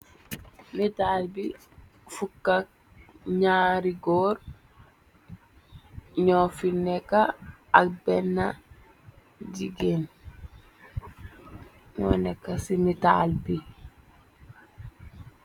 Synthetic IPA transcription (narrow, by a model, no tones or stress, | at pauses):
mitaːlbi | fukːak̚ | ɲaːɾiɡɔːɾ | ɲɔfinːɛkaːkbɛnːa | d͡ʒiɡen | nɔ̰nɛkːasimita̰lbi